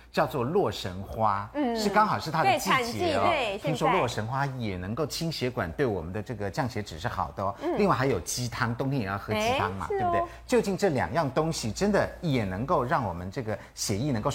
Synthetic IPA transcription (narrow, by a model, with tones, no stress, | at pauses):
t͡ɕjɑ˥˧ʊt͡swɔ˥˧lwɔ˥˩ʂə˧˥nxwa˥ʂɻ̩˥˩kɑ˥ŋxɑ˨˩ʊʂɻ̩˥˩t̪ʰa˥ə˧˩t͡ɕi˥˩˥ɕɛ˧˥˩i˥ŋʂwɔ˥lwɔ˥˩ʂə˧˥ŋxwa˥jɛ˨˩nɤ˧˥ŋko˥˩ʊt͡ɕʰi˥ŋɕjɛ˧˥kwa̰˨˩nt̪we˥˩ɪwɔ˨˩mə˦nd̪ə˧ʈ͡ʂɤ˥˩ɡə˩t͡ɕjɑ˥˩ŋɕjɛ˧˥ʈ͡ʂɻ̩˨˩ʂɻ̩˥˩xɑ̰˨˩ʊd̪ə˦ɔ˦li˥˧ŋwa˥˩ɪxa˧˥ɪjo˨˩ʊt͡ɕi˥t̪ʰɑ˥ŋt̪ʊ˥˧ŋt̪ʰi˧˥jɛ˨˩jɑ˥˩xɤ˧˥t͡ɕi˥ɑ˥ŋmɐ̰˨tbbt̪e˥˧˩ɪt͡ɕjo˥˧ʊt͡ɕi˥˧nʈ͡ʂɤ˥˩ljɑ̰˨˩ŋjɑ˥˩ŋt̪ʊ˥ŋɕi˨˩ʈ͡ʂə˥nd̪ə˨jɛ˨˩nɤ˧˥ŋko˥˧ʊɻɑ˥˩ŋwɔ˨˩mə˦nʈ͡ʂɤ˥˩ɡə˩ | ɕjɛ˧˥i˥˩nə˧˥ŋko˥˧˩